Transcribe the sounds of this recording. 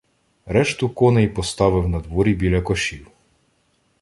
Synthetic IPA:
ɾɛʃt̪ʊkɔnejpɔst̪ɑʋɪwnɐd̪ʋɔɾʲibʲilʲɐkɔʃʲiw

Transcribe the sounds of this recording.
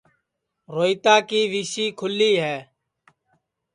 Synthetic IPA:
ɾoːiːt̪aːkiːʋiːʃiːkʰʊlːiːɦɛː

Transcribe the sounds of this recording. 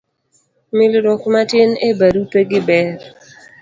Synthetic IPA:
mɪlɾɔkmatɪnebaɾupeɡɪbɛɾ

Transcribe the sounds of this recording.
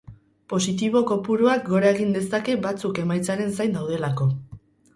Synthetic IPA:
po̞sit̪̬iβ̞o̞ko̞puɾuak̚ɡo̞ɾaeɣ̞ind̪e̞sake̞bat͡suke̞majt͡saɾe̞nsajnd̪awðe̞lako̞

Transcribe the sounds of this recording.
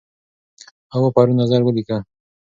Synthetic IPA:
awapaɾunazaɾwəlika

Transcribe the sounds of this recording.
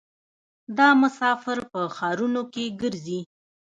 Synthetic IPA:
d̪ɑmʊsɑfɪɾpəxɑɾunokeɡəɾzi

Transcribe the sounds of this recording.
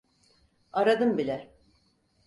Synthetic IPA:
aɾad̪ɯmbilʲɛ

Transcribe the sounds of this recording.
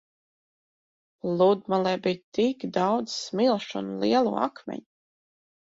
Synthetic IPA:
lˠud̪malˠɛbijt̪ikd̪ɑwd̪zsmilˠʃunlˠiɛlˠṵːa̰kmʲɛ̰ɲ

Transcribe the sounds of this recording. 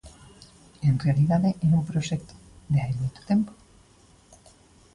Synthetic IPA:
enrealiðaðeʔenũmpɾoʃɛkt̪o̥ | d̪eaimojt̪o̥t̪empo̥

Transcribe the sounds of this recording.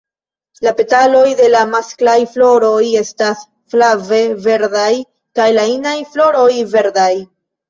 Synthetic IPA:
lape̞talo̞jde̞lamasklajflo̞ɾo̞je̞stas | flave̞ve̞ɾdaj | kajlainajflo̞ɾo̞jve̞ɾdaj

